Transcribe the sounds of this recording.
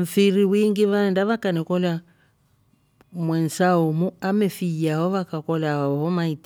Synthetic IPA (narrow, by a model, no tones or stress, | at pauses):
m̩fiɾiwiŋɡiβaɛndaβakanɛkɔla | mwɛnsaɔmuamɛfiaɦɔβakakɔlaɔɦɔmait